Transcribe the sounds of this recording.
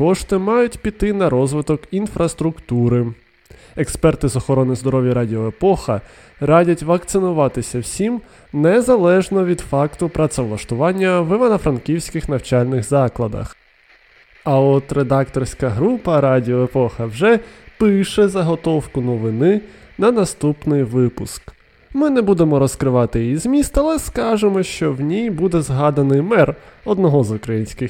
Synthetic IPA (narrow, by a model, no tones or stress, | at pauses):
kɔʃt̪ɪmɑjʊtʲpʲit̪ɪnɐɾɔzʋɪt̪ɔkinfɾɐst̪ɾʊkt̪uɾɪ | ekspɛrt̪ɪzɔxɔɾɔnɪzd̪ɔɾɔʋʲjiɾɑdʲiɔepɔxɐ | ɾɑdʲɐtʲʋɐk̚t̪sɪnʊʋɑt̪ɪsʲɐwsʲim | nɛzɐlˠɛʒnɔʋʲid̪fɑkt̪ʊpɾɐt̪sɛʋlˠɐʃt̪ʊʋɑnʲːɐʋɪʋɐnɐfɾɐnkʲiwsʲkɪxnɐwt͡ʃɑlʲnɪxzɑklˠɐd̪ɐ̰x | ɐɔt̪ɾed̪ɑkt̪ɔrsʲkɐɦɾupɐɾɑdʲiɔepɔxɐwʒɛpɪʃɛzɐɦɔt̪ɔwkʊnɔʋɪnɪ | nɐnɐst̪upnɪjʋɪpʊsk | mɪnɛbud̪emɔɾɔskɾɪʋɑt̪ɪjizmʲist̪ɐlˠɛskɑʒemɔʃt͡ʃɔwnʲijbud̪ɛzɦɑd̪ɐnɪjmɛrɔd̪nɔɦɔzʊkɾɐjinʲsʲkɪx